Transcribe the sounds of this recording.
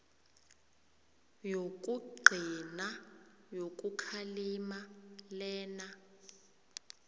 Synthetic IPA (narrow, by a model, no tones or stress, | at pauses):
jok̬ʼuɡ͡ǃʱina | jok̬ʼukʰalimalɛːna